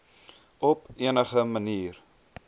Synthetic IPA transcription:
ɔpiənəχəməniːr

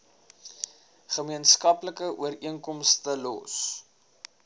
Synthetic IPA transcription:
χəmiənskɐpləkəʔuəriəŋkɔmstəlɔ̰s

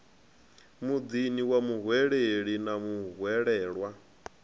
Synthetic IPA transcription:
mud̪iniwamuɦwɛɺeɺinamuɦwɛɺɛːɺwa

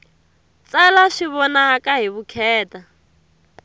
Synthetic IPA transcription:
t͡salaʂiβɔnaakʼaɦiβukʰɛːta

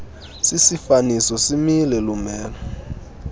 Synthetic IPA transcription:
sisifanisɔsimilɛlumɛːlɔ

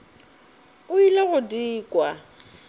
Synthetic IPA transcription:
ʊileɣʊdiːkʼwa

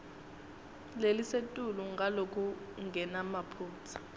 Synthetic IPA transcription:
lelisetʼuluŋɡalokʰʼu | ŋɡʱɛnamapʰuːt͡sʰḁ

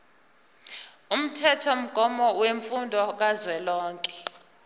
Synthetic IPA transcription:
um̩tʰɛtʰɔm̩ɡ̥ʱɔmɔweɱfundʱɔk̬azwɛlɔːŋkʼɛ

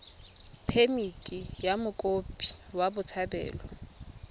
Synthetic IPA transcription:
pʰemitʼijamʊkʼopʼi̥wabʊt͡sʰabɛ̰ːlɔ

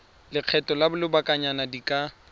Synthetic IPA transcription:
lɪq͡χʰɛtɔlabʊlɪbakʼaɲanadikʼa

